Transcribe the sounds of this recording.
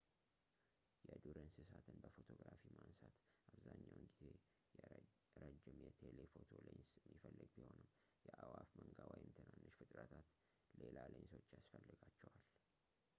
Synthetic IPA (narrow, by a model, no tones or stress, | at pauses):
jɛd̪uɾənsɨsat̪ʰɨnbəfot̪ʰo̞ɡɾafimansat̪aβzaɲːawnɡize̞ | j | ɾəd͡ʒɪmjɛt̪ʰelefo̞t̪ʰo̞ləjnsjmːifəlːɨɡbiho̞nɨm | jɛʔawafməŋɡawajɪmt̪ʰɨnanːɨʃfɨt̪ʼɾət̪ʰat̪ | lelaləjɪnsot͡ʃːjasfəlːɨɡat͡ʃːɛwal